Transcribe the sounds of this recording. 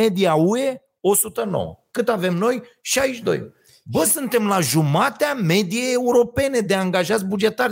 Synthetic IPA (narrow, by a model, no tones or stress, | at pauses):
e̞d̪iaue̞ | o̞sut̪əno̞̰wə̰kɨt̪ave̞mno̞jʃajʃd̪o̞̰j | bəsɨnt̪e̞mlaʒumat̪eame̞d̪ije̞jeuɾo̞pe̞ne̞d̪e̞aŋɡaʒat̪sʲbud͡ʒe̞t̪ar